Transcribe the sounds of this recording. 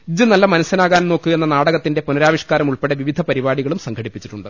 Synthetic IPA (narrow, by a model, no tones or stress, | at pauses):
d͡ʑɨnɐlːɐmɐnɐsɐnaːɣaːnno̞ːkːɨe̞nːɐnaːɽɐɣɐt̪ːinde̞punɐɾaːʋiʂkaːɾɐmuɭpeɽeʋiʋid̪ʱɐpɐɾibaːɽiɣɐɭumsɐŋɡʰɐɽipːit͡ɕːi̥ʈːuɳɖɨ